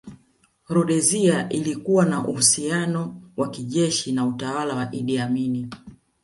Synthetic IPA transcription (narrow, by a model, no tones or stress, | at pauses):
ɾɔɗɛziaʔilikuwanaʔuhusianɔwakiʄɛʃinautawalawaʔiɗiamini